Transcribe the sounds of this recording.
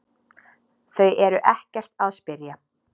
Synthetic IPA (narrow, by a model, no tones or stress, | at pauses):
θœɥjɛɾʏʔɛhcɛr̥t̪aðspɪɾja